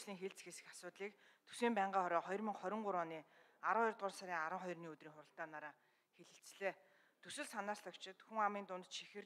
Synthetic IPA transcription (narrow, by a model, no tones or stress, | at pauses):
ɮiːŋxeɮt͡sxesɘ̥̆xḁsʊːt̪ɮiːk | t̪ʰɵ̥siːmpæːɴɢaːχɔɾʲɔːχɔjɞ̆rmĭŋχɔɾʲɪ̆ɴɢʊɾʊːniː | aɾə̆ŋjʊrt̪̚ʁʊːrsaɾʲiːŋaɾə̆ŋχɔjrniːɵt̪riːŋχʊɾə̆ɬt̪aːnaɾaː | xeɮɘ̆ɬt͡sɮeː | t̪ʰɵsɘ̆ɮsanaːrɬt̪ʰɔkt͡ɕʰɪ̆t̪xuŋamiːnt̪ʊnt̪ʃʰixɘ̆r